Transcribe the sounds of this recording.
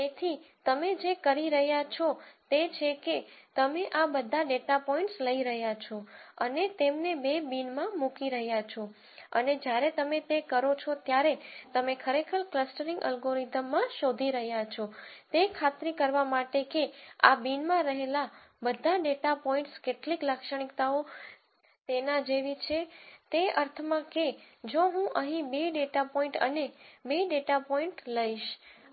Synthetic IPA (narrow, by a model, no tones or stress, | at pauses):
t̪et̪ʰit̪əmed͡ʒekəɾiɾəɦjat͡ʃʰot̪et͡ʃʰeket̪əmeʔabəd̪ʱːaɖeʈapɔĩɳʈsləiɾəɦjat͡ʃʰoənet̪emnebebinmãmukiɾəɦjat͡ʃʰo | ə̰ned͡ʒjaɾet̪əmet̪ekəɾot͡ʃʰot̪jaɾet̪əmekʰəɾekʰəɾkləsʈəɾĩŋɡə̰lɡoɾizəmːãʃod̪ʱiɾəɦjat͡ʃʰot̪ekʰat̪ɾikəɾʋamaʈekea̰binmãɾəɦela | bəd̪ʱaɖeʈapɔĩɳʈskeʈlikləkʃəɽ̃ikt̪ao | t̪enad͡ʒeʋit͡ʃʰet̪eəɾt̪ʰəmãke | d͡ʒoɦũʔəɦĩbeɖeʈapɔ̃ĩɳʈə̰nebeɖeʈapɔiɳʈləiʃ